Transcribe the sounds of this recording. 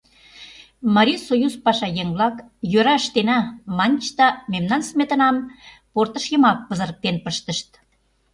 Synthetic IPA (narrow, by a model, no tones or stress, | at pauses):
mɑɾʲisojuzpɑʃɑjeŋβlɑk | jøɾɑəʃt̪enæmɑnʲt͡ɕt̪ɑmemnɑnsmet̪ə̆nɑm | port̪ə̆ʃjə̆mɑk̚pə̆zə̆ɾək̚t̪enpəʃt̪ə̆ʃt̪̚